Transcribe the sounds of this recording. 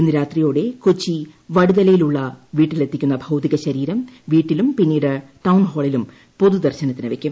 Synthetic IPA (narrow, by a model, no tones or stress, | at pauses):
enːɨɾaːt̪rijo̞ːɽe̞kot͡ɕːiʋɐɽuðɐlɐjiluɭːɐʋiːʈːile̞t̪ːikʲːunːɐbʱɐwt̪iɣɐɕɐɾiːɾɐmʋiːʈːilumpinːiːɽɨʈɐwnɦo̞ːɭilum | po̞ðud̪ɐrɕɐnɐt̪ːinɨʋe̞kʲːum